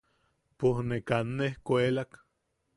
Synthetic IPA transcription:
pohnekanːehkʷelak

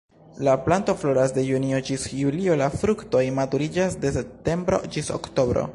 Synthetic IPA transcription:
laplanto̞flo̞ɾas̬de̞juniod͡ʒisjulio̞lafɾukto̞jmatuɾid͡ʒasde̞se̞p̚te̞mbɾo̞̰d͡ʒiso̰kto̞bɾo̞̰

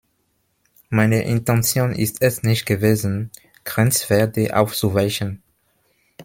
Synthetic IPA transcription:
maɪnəʔɪ̰ntɛ̃nt͡sjoːnʔɪ̰stʰɛsnɪçt̚ɡ̥əveːzn̩ | ɡ̥ʁɛnt͡sv̥ɛɐdəʔa̰ʊft͡suvaɪçən

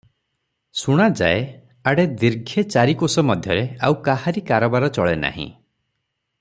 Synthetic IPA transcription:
suɽ̃ad͡ʒa̰e | aɽed̪iɾɡʱet͡ʃaɾikosɔmɔd̪ʱjɔɾeawkaɦaɾikaɾɔbaɾɔt͡ʃɔɭena̰ɦḭ̃

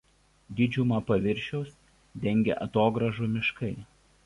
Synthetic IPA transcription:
d̪ʲɪd͡ʒʲʊmɐpɐʋʲɪɾʲʃʲɛʊs | d̪ʲɛŋʲɡʲḛʔɐt̪oːɡɾɐʒuˑmʲɪʃkɐɪ

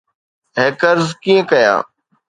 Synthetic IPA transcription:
ɦeːkəɾzkiːẽkəja̰ː

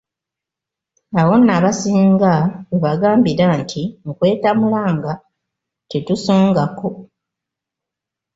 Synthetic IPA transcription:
awo̞naβasiːŋɡaβeβaɡaːmbiɾantʰiŋkwe̞ːtamulaːŋɡa | tetuso̞ːŋɡako̞

